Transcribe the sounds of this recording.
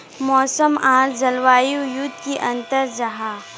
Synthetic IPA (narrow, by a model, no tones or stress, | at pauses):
mɔːsəmãːɾd͡ʒɐlʋaːjujut̪kiʔɐ̃nt̪əɾd͡ʒɐɦaː